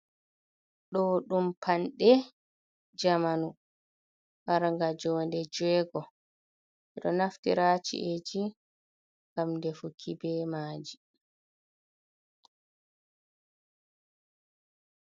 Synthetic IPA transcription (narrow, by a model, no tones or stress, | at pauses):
ɗɔɗumpʰanɗɛ | d͡ʒamanu | ɓaɾŋɡad͡ʒɔːndɛd͡ʒɛːɡɔ | ʔɛɗɔnaftḭɾaːt͡ʃḭʔed͡ʒi | ŋɡamndɛfukʰibɛmaːd͡ʒi